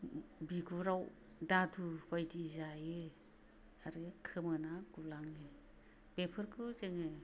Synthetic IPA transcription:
biɡuɾaw | dadʰubajtizajɯ | aɾɯkʰɯmɯnaɡulaŋɯ | b̥epʰɯɾkʰɯzeŋɯ

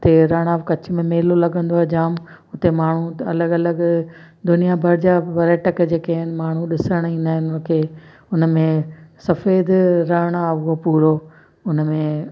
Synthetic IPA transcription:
t̪eɾaːɽ̃aːʋkɐt͡ɕʊ̆mẽmeːlolɐɠə̃nd̪oɛd͡ʑaːm | ʊt̪emaːɳ̤uɐləɡɐləɡ | d̪ʊnijabʱɐɾɪd͡ʑaʋɐɾeːʈəkd͡ʑeːkaɦɪnɪ̆maːɳ̤̃ũɗɪsəɽ̃ĩːnd̪aːɦɪnʊkʰeː | ʊn̆mẽsɐfeːd̪ɾaːɽ̃aʋopuːɾo | ʊnmẽ

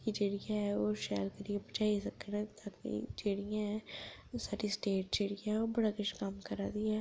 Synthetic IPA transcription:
kid͡ʒeːɽijaɦɛoːʃa̰ːlkɐɾiãbɐt͡ʃaːisɐkənɛ̃t̪aːkḭd͡ʒeːɽijãɦɛsaːɾisʈeːʈ̚d͡ʒeːɽijãɛobɐɽakɪt͡ʃkəmkɐɾaːd̪iɛː

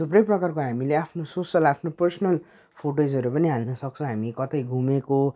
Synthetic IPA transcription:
suprʌjprʌkarkoɦamileapʰnososʌlapʰnopʌrsʌnʌl | pʰoʈod͡zʌɾupʌniɦalnʌsʌk̚t͡sʰʌ̃ɦamikʌt̪ʌjɡʱumeko

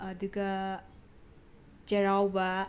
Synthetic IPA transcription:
ɐd̪uɡɐ | d͡ʒɐɾawbɐ

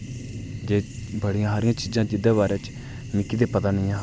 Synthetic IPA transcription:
d͡ʒeːbəɽɪjãːɦaːɾɪjãːt͡ʃiːd͡ʒãːd͡ʒɪd̪eːβaːɾɛːt͡ʃ | nɪkːiːd̪eːpət̪aːnɪ̃ːãː

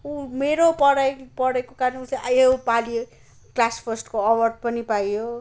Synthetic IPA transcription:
umeɾopʌɽajpʌɽajkokaɾneuseʔajepali | klaspʰʌsʈkoʌwʌrɖ̚pʌnipajjo

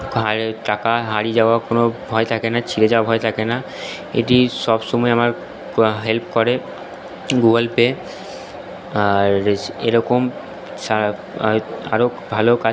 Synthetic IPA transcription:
ɦaʈakaɦaɾid͡ʑaoakonobʱɔet̪ʰakenat͡ɕʰiɾed͡ʑaoabʱɔet̪ʰakena | ḛʈiʃɔbʃɔmɔeamaɾ | ɦelp̚kɔɾe | ɡuɡəlpe | aɾeɾɔkom | ʃa | a̰ɾobʱaloka

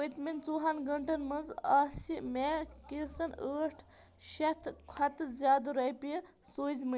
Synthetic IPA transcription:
ət̪mint͡suːɦanɡɐɳʈɐnmɐnzaːsimekilsɐnəːʈʰ | ʃɐt̪ʰkʰɐt̪ɨzʲjaːd̪uɾɐjpi | soːzmɨ

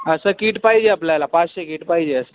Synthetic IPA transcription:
əsəkiʈpajd͡ʑeapljalapãt͡ɕɕekiʈpajd͡ʑeəsə

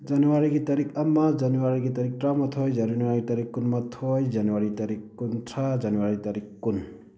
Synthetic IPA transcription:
d͡ʒanɔwaɾiɡit̪aɾikamːad͡ʒanuwaɾiɡit̪aɾik̚ʈɾamat̪ʰojd͡ʒanunwaɾit̪aɾikːunmat̪ʰojd͡ʒanwaɾit̪aɾikːuntʰad͡ʒanuwaɾit̪aɾikːun

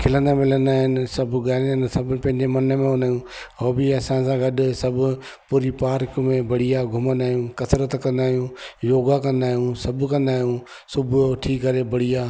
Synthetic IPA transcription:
kʰɪlə̃nd̪amɪlənd̪aːɦɪnɪ̆sɐbʱʊɡaːɪnd̪aːɪnɪ̆sɐbpɐ̃ɦɪ̃ɲd͡ʑemɐnə̆mẽɦʊnd̪aːjũː | oːbɪɐsãsãɡɐɗsɐbʱʊ̆ | puːɾipaːɾkmẽbɐɽ̤ijaɡʱʊmənd̪aːjũːkɐsɾət̪kɐ̃nd̪aːɦijũjoːɡakɐ̃nd̪aːɦijũsɐbʱʊkɐ̃nd̪aːɦijũ | sʊbʱʊoʈʰiːkːɐɾebɐɽ̤ijaː

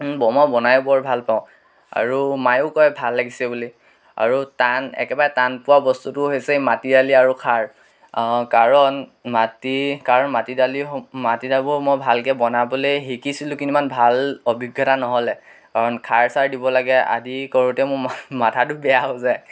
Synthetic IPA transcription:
bɔmɔbɔnajbɔɹbʱalpaʊ̃ | a̰ɹumajokɔjbʱalːaɡisɛbuli | a̰ɹutanɛ̰kɛbaɹɛtanpʊwabɔstutʊɦesɛmatidaliaɹukʰaɹ | kaɹɔnmatikaɹɔnmatidalimatidabɔɹmɔjbʱalkɛbɔnabɔlejɦikisilʊ̃kinimanbʱalobʱiɡʱːɔtanɔɦɔlɛ | kaɹɔnkʰaɹsaɹdibɔlaɡɛa̰dikɔɹutɛmʊmatʰatʊbɛjaɦozaj

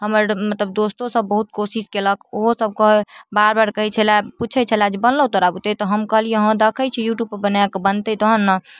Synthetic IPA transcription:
ɦəməɾmət̪ləb̚d̪ost̪õsəbːəɦut̪̚kosiskeləkʰoɦosəb̚kəɦbaɾbaɾkəɦɛt͡ʃʰɛlaput͡ʃʰɛt͡ʃʰəlad͡ʒebənlət̪ɔɾabut̪et̪ɔɦəmkəɦliẽɦə̃d̪əkʰət͡ʃʰɛjuʈjub̚pbənakebənt̪ɛt̪ɔɦənːə

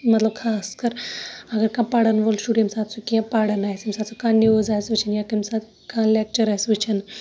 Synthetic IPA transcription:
mɐt̪lɐb̚kʰaːskɐɾɐɡɐɾkãːpaːɽɐnʋolʃuɽimsaːt̪sukiãpaːɽɐnaːjsimsaːt̪t͡sʰukãːnoːzaːjsʋɨt͡ʃʰinjakɐmsat̪ | kãːlek̚t͡ʃɐɾasʋɨt͡ʃʰin

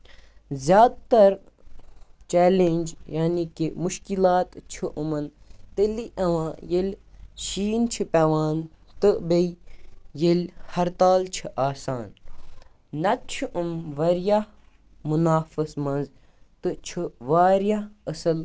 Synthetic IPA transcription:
zjaːd̪t̪ɐɾ | t͡ʃɛːlenʲd͡ʒjaːnikimuʃkilaːt̪t͡ʃʰiʔumɐnt̪eliʔɐʋãːjelʲʃiːnt͡ʃʰipʲɛʋaːn | t̪ɨbeijelʲhɐɾt̪aːlt͡ʃʰiʔaːsaːnː | ɐt͡ʃʰuʔumʋɐɾja | munaːfɐsmɐnz | t̪ɨt͡ʃʰɨʋaːɾjaɐsɐl

